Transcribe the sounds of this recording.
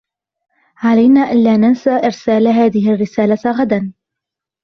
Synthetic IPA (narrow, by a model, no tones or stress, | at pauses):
ʕalajnaːʔanlaːnansaʔɪɾsaːlɦaːðɪhɪrːɪsaːlaɣad̪an